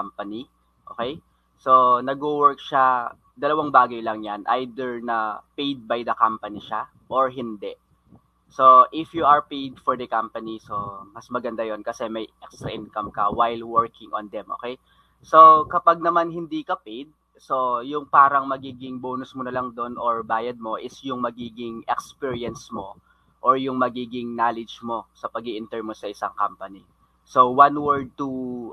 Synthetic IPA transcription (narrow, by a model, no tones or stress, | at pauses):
ampɐni | ʔoːkɛj | so̞nɐɡ̚uwɛɹk̚ʃa | d̪ɐlɐwaŋbaːɡɐjlɐŋjanʔa̰jd̪ɛɹnɐpejd̪̚bajd̪ɐkampɐniʃa | ʔoɹɦɪnd̪ɛʔ | so̞ʔɪfjuʔɐɹpejd̪fɔɹd̪ɐkɐmpɐniso̞mɐsmɐɡɐnd̪ajonkɐsɛmɐjʔɛkst̪ɾɐ̰ʔɪnkɐmkɐwajlwɛɹkɪŋɔ̰nd̪ɛmʔo̰ːkɛj | sokɐpaɡ̚nɐmanɦɪnd̪ikɐpid̪̚ | so̞jʊŋpaːɾɐŋmɐɡiːɡɪŋboːnʊsmonɐlɐŋd̪o̞noɹbaːjɐd̪̚mo̞ʔɪsjʊŋmɐɡiːɡɪŋɛkspiɹiɐnsmo̞ | ʔoɹjʊŋmɐɡiːɡɪŋnaːlɛd͡ʒmo̞sɐpɐɡiʔɪnt̪ɛɹmosɐʔɪsaŋkampɐni | sowanwɛɹd̪̚t̪u